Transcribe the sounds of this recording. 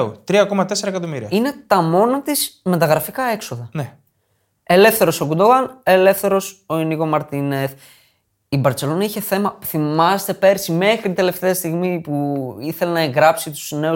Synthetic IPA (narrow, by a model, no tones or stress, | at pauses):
ot̪ɾiɐko̞mɐt̪eseɾɐekɐt̪omiɾiɐine̞t̪ɐmo̞nɐt̪izmet̪ɐɣɾɐfikɐe̞kso̞ðɐne | e̞le̞fθe̞ɾo̞so̞ɡud̪oɣɐne̞le̞fθe̞ɾo̞so̞iniko̞mɐɾt̪ineθ | ibɐɾt͡se̞lo̞nɐiçe̞θe̞mɐuθimɐst̪e̞pe̞ɾsime̞xɾit̪e̞le̞ft̪e̞ɐst̪iɣmipuiθe̞lenɐe̞ŋɡɾɐpsit̪u̥zne̞u